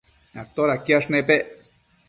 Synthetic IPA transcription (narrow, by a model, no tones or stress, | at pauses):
na̰k̚t̪oɾakjaʂnẽpeʔ